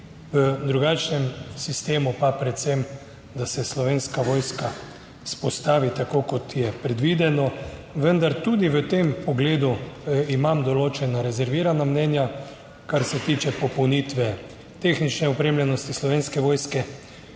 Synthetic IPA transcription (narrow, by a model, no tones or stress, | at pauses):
ʋəd̪ɾuɡat͡ʃnɛmsist̪eːmupapɾɛt̪sem | d̪asɛslɔʋeːnskaʋoːjska | spɔst̪aːʋit̪akoːkɔt̪jɛpɾɛd̪ʋiːd̪ɛnɔʋənd̪aɾt̪ud̪iʋət̪empɔɡleːd̪uimamd̪ɔloːt͡ʃɛnaɾɛzɛɾʋiːɾanamnɛːnja | kaɾsɛt̪iːt͡ʃɛpɔpɔwnit̪ʋɛ | t̪eːxnit͡ʃnɛɔpɾeːmljɛnɔst̪islɔʋeːnskɛʋoːjskɛ